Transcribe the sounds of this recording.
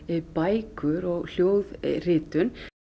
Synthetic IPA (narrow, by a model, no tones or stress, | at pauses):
ɪpaːjkʏɾɔɣl̥joːwðrɪːt̪ʏn